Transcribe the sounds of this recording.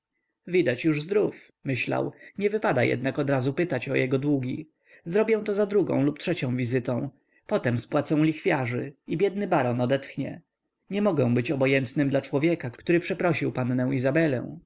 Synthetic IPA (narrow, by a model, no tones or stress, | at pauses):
vʲid̪at͡ɕjuʐzd̪ɾuf | mɘɕla̰wɲɛvɘpad̪ajɛ̰d̪nakɔd̪ɾazupɘt̪at͡ɕɔ̰jɛɡɔd̪wuɡʲḭ | zɾɔbʲjɛ̃w̃t̪ɔzad̪ɾuɡɔ̰̃w̃luptʂɛt͡ɕɔ̃w̃vʲizɘt̪ɔ̃w̃ | pɔt̪ɛmspwat̪sɛ̃w̃lʲixfʲjaʐɘ̰ibʲjɛd̪̚nɘbaɾɔnɔd̪ɛt̪xɲɛ̰ | ɲɛmɔɡɛ̃w̃bɘt͡ɕɔbɔjɛnt̪nɘmd̪lat͡ʂwɔvʲjɛkaktt̪uɾɘpʂɛpɾɔɕiwpanːɛ̃w̃izabɛlɛ̰̃w̃